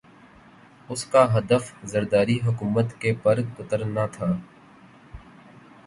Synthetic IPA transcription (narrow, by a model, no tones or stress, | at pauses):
ʊskaːɦɐd̪əfzəɾd̪aːɾiɦʊkuːmət̪kepɐɾkʊt̪əɾnat̪ʰaː